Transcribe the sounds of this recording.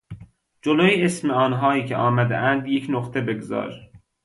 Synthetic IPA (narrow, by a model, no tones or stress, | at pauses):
d͡ʒolojeesmeɒːnɦɒːjiːcʰeʔɒːmæd̪ḛʔænd̪jecʰnoχt̪ʰebe̞ɡzɒ̰ːɾ